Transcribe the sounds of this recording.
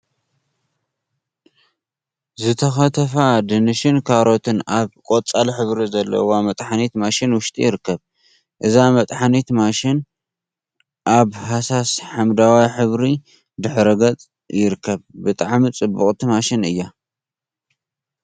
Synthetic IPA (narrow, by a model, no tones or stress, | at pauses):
zɨt̪ʰɐxɐt̪ʰɐfad̪ɨnɨʃɪnkʰaɾo̞t̪ʰɨnaβkʷʼot͡sʼalħɨβɾizɐlːɐ̰wamɐt̪ʼħanit̪maʃɪnwʊʃt̪ʼijɪɾɨkːɐβ | ʔɨzamɐt̪ʼħanit̪maʃɪn | ʔaβhasasħamd̪awajħɨβɾi | d̪ɨħɾɨɡɐt͡sʼ | jɪɾɨkʰːɐβbɨt̪ʼaʕmit͡sʼɨbːuχʼt̪ʰimaʃɪnɨ̰jːa